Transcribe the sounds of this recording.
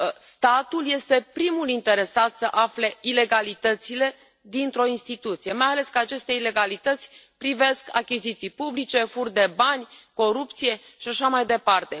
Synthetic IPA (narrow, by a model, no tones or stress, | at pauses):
st̪at̪ulje̞st̪e̞pɾimulint̪e̞ɾe̞sat̪səʔafle̞ile̞ɡalit̪ət̪sile̞ | d̪int̪ɾo̞inst̪it̪ut̪sije̞majale̞skəat͡ʃe̞st̪eile̞ɡalit̪ət̪sʲ | pɾive̞ska̰kʲizit̪sijpublit͡ʃe̞furd̪e̞banʲko̞ɾupt̪sije̞ʃiaʃamajd̪e̞part̪e̞